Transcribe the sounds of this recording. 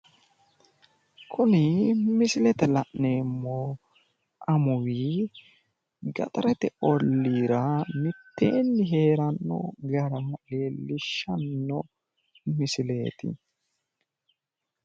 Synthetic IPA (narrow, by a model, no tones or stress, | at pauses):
kʰʊnɪmɪsɪlɛt̪ɛlɐʔne̞ːmːoː | ɐmʊwiː | ɡɐ̰t̪ʼɐɾɛt̪ɛɔlːiːɾɐmɪt̪ːe̞̰ːnːɪɦe̞ːɾɐnːɔ̰ɡɐɾɐmɐʔeːlɪʃːɐnːɔ | mɪsɪleːt̪ɪ̰